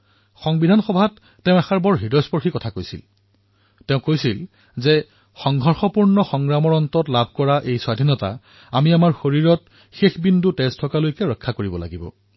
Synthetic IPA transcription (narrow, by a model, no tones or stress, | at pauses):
xɔŋbidʱanxɔbʱatːɛʊ̃ɛxaɹbɔɹɦidɔspɔɹxikɔtʰakojsḭl | tɛʊ̃kojsil | zɛ | xɔŋɡʱɔɹxɔpuɹnɔxɔŋɹamɔɹɔntɔtlabʱkɔɹaʔejswadʱinɔta̰ | amiamaɹxoɹiɹɔt | xexbindutɛstʰɔkalojkɛɹɔkʰːakoɹibɔla̰ɡibɔ̰